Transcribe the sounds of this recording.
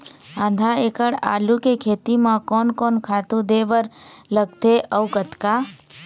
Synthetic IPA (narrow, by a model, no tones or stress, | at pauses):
ãːnd̪ʱaeːkəɽa̰ːlukekʰeːt̪imãkɔːnkɔːnkʰaːt̪ũd̪ebəɾləɡ̚t̪eʔəʊkət̪ka